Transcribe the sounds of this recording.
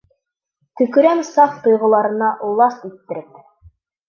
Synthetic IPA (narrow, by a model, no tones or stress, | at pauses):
t̪ɵ̆kɵ̆ɾæmsɑft̪ŏjʁŏlˠɑɾɤ̆nɑʔulˠɑst̪it̪ːɘ̆ɾɘp̚